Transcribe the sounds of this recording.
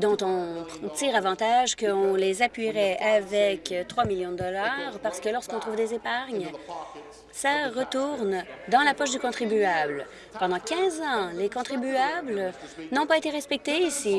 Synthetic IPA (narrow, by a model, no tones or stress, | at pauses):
d̪ɔ̃t̪ɔ̃t̪iːʁavɑ̃t̪aʒkəɔ̃lezapɥiʁɛavɛkt̪χwamiljɔ̃d̪əd̪ɔlaʁpaʁsə̥kəlɔʁskɔ̃t̪ʁuːvd̪ezepaʁɲ | saʁət̪uʁnd̪ɑ̃lapɔʃd̪ykɔ̃t̪χibyabl | pɑ̃d̪ɑ̃kʲɛ̃zɑ̃lekɔ̃t̪χibyablnɔ̃paet̪eʁɛspɛk̚t̪eːsi